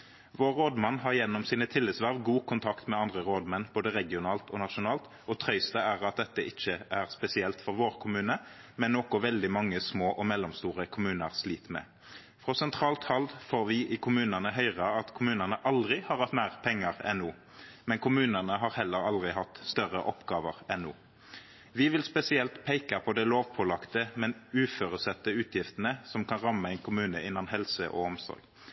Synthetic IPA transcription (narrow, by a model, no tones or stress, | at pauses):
ʋoːʁːoːd̪mɑnːɦɑʁjɛnːɔmsiːnət̪ʰɪlːɪt̪sʋæʁʋɡuːkʰʊnt̪ʰɑkt̪mɛɑnd̪ʁəʁoːd̪mɛnːb̥oːd̪əʁɛɡɪʊnɑːlt̪ɔnɑʃʊnɑːlt̪ | ɔt̪ʰɾœʏst̪əæʁɑt̪̚d̪ɛt̪ːəʔɪt͡ʃːəʔæʁspɛsɪɛlt̪fɔʁʋoːʁkʰʊmʉːnə | mɛnːoːkʊʋɛld̪ɪmɑŋːəsmoːʔɔmɛlːɔmst̪uːʁəkʰʊmʉːnəʁsliːt̪mɛ̰ | fʁɔːsɛnt̪ʰʁɑːlt̪hɑld̪foːʁʋɪʔɪkʰʊmʉːnənəɦœʏʁɑɑt̪kʰʊmʉːnənəʔɑld̪ʁɪhɑɾʁhɑt̪mæːʁpʰɛŋːəʁɛnːuː | mɛnkʰʊmʉːnəʁnəɦɑʁhɛlːəʁɑld̪ʁɪɦɑt̪ːst̪œʁəʔɔpɡɑːʋəʁɛnːṵː | ʋɪʋɪlspɛsɪɛlt̪pʰeɪkɑpʰɔd̪ɛɪloːʋpʰɔlɑkt̪əmɛnʉːføːʁʉsɛt̪ːəʉːt̪ʰjɪft̪ənəsɔmkʰɑnʁɑmːəɛɪnkʰʊmʉːnə̰ʔɪnɑnɦɛlsəʔɔ̰ɔmsɔ̰ɾɡ̥